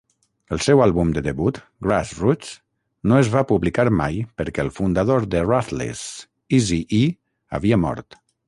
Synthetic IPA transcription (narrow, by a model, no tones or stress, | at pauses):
əlˠsɛwalˠβumd̪əðəβut̪ | ɡɾasrut͡s | noəzβapuβlikaɾma̰jpəɾkɛlˠfund̪aðoɾðərat̪lḛz | izii | ə̰βiəmɔ̰ɾt̪